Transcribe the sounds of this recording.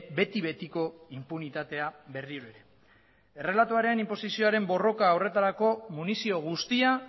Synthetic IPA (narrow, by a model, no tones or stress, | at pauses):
be̞t̪iβe̞t̪iko̞impunit̪at̪e̞abe̞rioɾoeɾe̞ | e̞re̞lat̪uaɾeanimpo̞sisio̞aɾe̞mbo̞ro̞kaːwre̞t̪aɾako̞munisio̞ɣ̞ust̪ia